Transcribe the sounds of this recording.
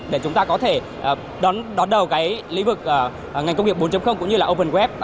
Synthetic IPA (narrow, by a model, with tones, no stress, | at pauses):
ɗe˧˩t͡ɕʊ˨˦ŋ͡mt̪aː˧kɔ˨˦t̪ʰe˧˩ | ʔə˨˩ | ɗɔ˨˦nɗɔ˨˦nɗə˨˩wkaː˨˦jlḭ˧˥vɨ˨˩k̚ʔəː˨˩˨ | ŋa˨˩ŋkə˧wŋ͡mi˩k̚ɓo˨˦t͡ɕə˨˦mxə˧wŋ͡mkʊ̰˧˥ŋ͡mɲɨ˧laː˨˩ʔo˧pə˨˩nkwɛ˦˥p̚